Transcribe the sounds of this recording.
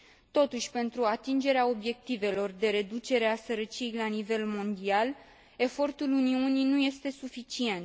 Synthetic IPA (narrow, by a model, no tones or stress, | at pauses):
t̪o̞t̪uʃʲpe̞nt̪ɾuat̪ind͡ʒe̞ɾeao̞bje̞k̚t̪ive̞lo̞rd̪e̞ɾe̞d̪ut͡ʃe̞ɾe̞asəɾət͡ʃiejlanive̞lmo̞nd̪ial | e̞fo̞rt̪uluniuninuje̞st̪e̞sufit͡ʃie̞nt̪